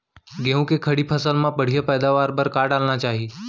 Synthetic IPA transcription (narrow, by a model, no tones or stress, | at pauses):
ɡẽũkekʰɐɽipʰɐsəlmãpɐɽ̤ijəpɛːd̪aʋaːɾpəɾkaːɽaːlnat͡ʃaːɦi